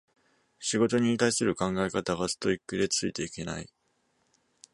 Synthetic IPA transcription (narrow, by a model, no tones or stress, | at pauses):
ɕiɡo̞t̪o̞ɲ̟it̪aisɨɾɯ̟kãŋɡaekat̪aɡasɨ̥t̪o̞ikːɯ̟d̪e̞t͡sɨit̪e̞ike̞na̰i